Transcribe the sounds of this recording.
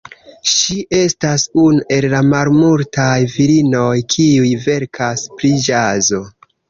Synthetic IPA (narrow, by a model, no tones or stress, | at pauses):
ʃiʔe̞stasunuʔe̞lːamalmultajviɾino̞jkʰiujve̞ɾkʰaspɾid͡ʒazo̞